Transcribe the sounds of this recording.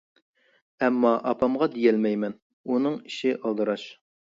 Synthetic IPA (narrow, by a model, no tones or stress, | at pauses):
ɛmːɑʔɑpʰɑmʁɑd̪ijɛlmɛjmɛn | unɨŋi̥ʃɪʔɑlˠd̪ɨɾɑʃ